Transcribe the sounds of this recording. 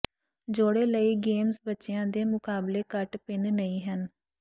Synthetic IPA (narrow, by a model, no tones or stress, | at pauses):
d͡ʒoːɽeːləiːɡeːmzbətːʃɪjãːd̪eːmʊkaːbleːkəʈpɪnnəĩːɦən